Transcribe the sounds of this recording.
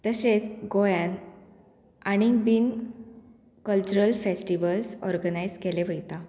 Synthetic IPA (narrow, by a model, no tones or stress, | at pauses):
t̪əset͡sɡojan | aɽ̃ibin | kəlt͡ɕuɾəlfesʈiʋəlsɔ̰ɾɡənajd͡zkeleʋəjt̪a